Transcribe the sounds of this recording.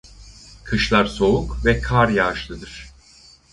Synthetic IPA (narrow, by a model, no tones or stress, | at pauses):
kʰɯʃlˠaɾso̞ukvɛkʰaɾjaːʃlˠɯd̪ɯɾ̥